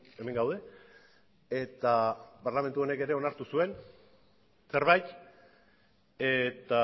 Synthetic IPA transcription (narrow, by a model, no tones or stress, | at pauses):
eme̞ŋɡawð̞e̞ | et̪aparlame̞nt̪uo̞ne̞ke̞ɾe̞o̞naɾt̪usue̞n | se̞ɾβajt̪ | et̪a